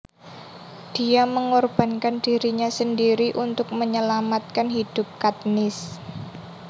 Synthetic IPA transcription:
d̥iaməŋɔrb̥a̤nkand̥iɾiɲasəndiɾiʔunt̪ʊk̚məɲəlamat̪̚kanɦid̥ʊp̚kat̪̚nɪs

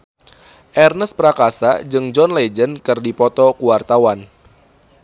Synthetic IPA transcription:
ʔɛrnəspəɾakasad͡ʒɨŋd͡ʒɔnlɛd͡ʒənkɨrdipɔt̪ɔkuwart̪awan

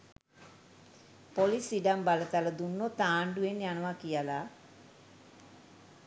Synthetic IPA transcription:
polisiɖambalət̪aləd̪unːot̪aːɳɖuenjanəʋakijəla

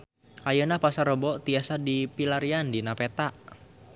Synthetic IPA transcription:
ʔajənapasaɾobɔt̪iasadipilaɾiandinapet̪aʔ

